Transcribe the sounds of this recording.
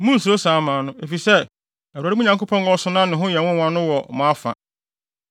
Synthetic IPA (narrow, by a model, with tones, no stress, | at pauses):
mʊ̃˦n̩˨su˨ɾo˦sãː˨˦mãː˨nʊ̃˦e˨fi˨sɛ˦˨ | æ˨wa˨ɾi˦mũ˦ɲã˨ŋko˦pʰɔ̃˦wɔ˦sʊ˦nã˦nɪ̃˨ɦʊ̃˦jɛ˨wʊ̃˦wã˦nʊ̃˦wɔ˨mʊ̃˨a˦fã̰˨